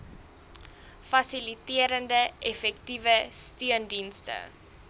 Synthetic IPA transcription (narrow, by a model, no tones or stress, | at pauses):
fɐsilitiəɾəndəʔɛfɛktivəstyəndinstə̰